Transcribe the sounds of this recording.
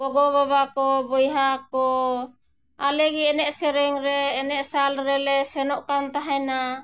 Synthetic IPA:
ɡɔɡɔβaβakɔbɔjɦakɔ | alɛɡiɛnɛʔsɛɾɛŋɾɛːnɛʔsalɾɛlɛsɛnɔʔkant̪aɦɛjna

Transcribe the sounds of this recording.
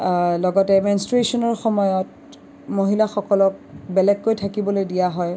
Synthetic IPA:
lɔɡɔtɛmɛnstɹesɔnɔɹxɔmɔjɔt | moɦilaxɔkɔlɔk̚bɛlɛɡːojtʰakibɔlojdijaɦɔj

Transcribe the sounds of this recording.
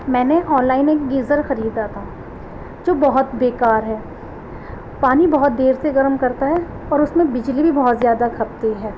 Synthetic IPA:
mɛ̃ːneʔɔːnlaːɪneːkɡiːzəɾxɐɾiːd̪aːt̪a | d͡ʒoːbɐɦʊt̪beːkaːɾɦɛː | paːnibɐɦʊt̪̚d̪eːɾseɡɐɾmkɐɾt̪aɦɛ | ɔːɾʊsmẽbɪd͡ʒlibʱibɔɦʊt̪zjaːd̪akʰɐp̚t̪eɦɛː

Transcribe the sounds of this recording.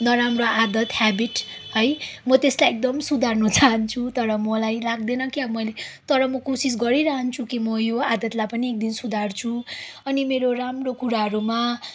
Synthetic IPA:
nʌɾamroad̪ʌt̪habiʈhʌjmʌt̪eslajek̚d̪ʌmsud̪ʱarnut͡saɦʌnt͡sʰut̪ʌɾʌmʌlajlaɡd̪enʌkjamʌjlet̪ʌɾʌmʌkosis̬ɡʌɾiɾaɦʌnt͡sʰukimʌjoad̪ʌt̪lajpʌniek̚d̪insud̪ʱart͡sʰuʌnimeɾoramrokuɾaɦʌɾuma

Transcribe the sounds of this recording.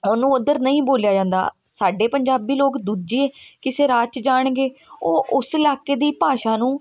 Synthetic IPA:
onũːʊd̪əɾnəĩːboːljaːd͡ʒãːnd̪a̰ː | saːɖeːpəɲd͡ʒaːbiːloːkd̪uːd͡ʒiẽːkɪseːɾaːt͡ʃd͡ʒaːɳɡeːoːʊsɪlaːkːeːd̪iːpaːʃaːnũː

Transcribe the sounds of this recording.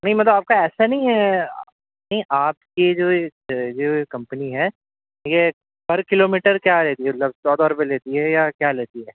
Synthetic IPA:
nɐɦĩmɐt̪ləbaːp̚kaɛːsanɐɦĩɦɛ | nɐɦĩʔaːpkid͡ʒoːd͡ʒoːkɐ̃mpəniɦɛː | je | pɐɾkɪloːmiːʈəɾkjaːɾɛːt̪iɦɛmt̪ləbsɔːd̪ɔːɾp̬eleːt̪iɦɛjakjaːleːt̪iɦɛː

